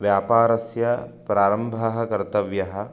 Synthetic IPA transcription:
ʋjaːpaːɾɐsjɐpɾaːɾɐmbʱɐɦɐkɐɾt̪ɐʋjɐɦɐ̆

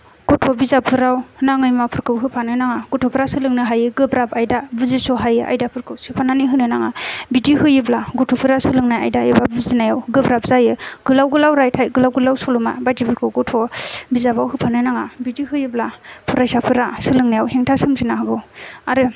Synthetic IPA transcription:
ɡ̥ɔtʰɔbizapʰɯɾawnaŋɯjmapʰɯɾkɯwɦɯpʰanɯnaŋaɡɔtʰɔpʰɯɾasɯlɯŋnɯɦajɯɡɯbɾapajdabɯzisɔɦajɯʔa̰jdapʰɯɾkɯwsɯpʰananiɦɯnɯnaŋabidihɯjɯblaɡɔtʰɔpʰɯɾasɯlɯŋnaja̰jdaebabɯzinajawɡɯbɾap̚zajɯɡ̥ɯlawɡɯlawɾajtʰajɡɯlawɡɯlawsɔluma̰badibʰɯɾkʰɯwɡɔtʰɔbizabawɦɯpʰanɯnaŋabidihɯjɯblapʰuɾajsapʰɯɾasɯlɯŋnajawheŋtʰasɯmzinaɦaɡɯwaɾɯ

